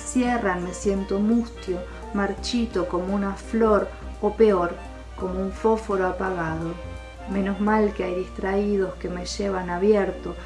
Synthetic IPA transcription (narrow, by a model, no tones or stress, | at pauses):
sjeranme̞sjent̪o̞must̪jo | maɾt͡ʃit̪oko̞mounaflo̞ɾ | ope̞oɾ | ko̞mouɱfo̞fo̞ɾoapaɣaðo̞ | mẽ̞no̞zmalkeajðist̪ɾaið̞o̞ske̞me̞ʒeβ̞anaβjeɾt̪o̞